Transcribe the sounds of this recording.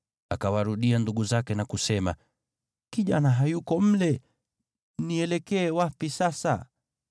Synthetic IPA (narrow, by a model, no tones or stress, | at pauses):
akawaɾuɗianduɠuzakɛnakusɛma | kiʄa̰naɦajukɔm̩lɛ | niɛlɛkɛːwapisasa̰